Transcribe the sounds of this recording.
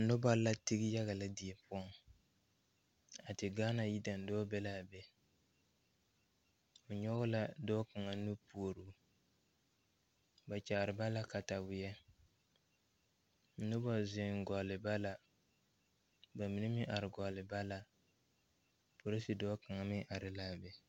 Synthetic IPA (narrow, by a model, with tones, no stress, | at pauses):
nʊ˦ba˦la˦tɪ˦ɡɪ˦ja˦ɣa˨la˦di˨e˨pʊ˦ɔ˦ŋ | a˨tɪ˨ɡaː˦na˨ji˦da˨n˨dɔː˦bɛ˦la˦˨bɛ˦ | o˨ɲɔ˦ɣʊ˦la˦dɔː˦ka˨ŋa˨nu˦pu˨o˨ɾu˦ | ba˨t͡ʃa˨ɾɪ˨ba˦la˦ka˨ta˨bʊ˨jɛ˦ | n̩˦nʊ˦ba˦˨zɪ˦ŋ˦ɡɔ˨lɪ˨ba˦la˦ | ba˨mi˨nɪ˦mɪ˦ʔa˨ɾɪ˨ɡɔ˨lɪ˨ba˦la˦ | po˨ɾi˦si˨dɔː˦ka˨ŋa˨mɪ˦ʔa˨ɾɪ˨la˦˨bɛ˨